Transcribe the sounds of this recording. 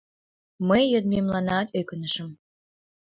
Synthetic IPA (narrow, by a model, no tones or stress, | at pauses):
məjəd̪memlɑnɑt̪økənəʃəm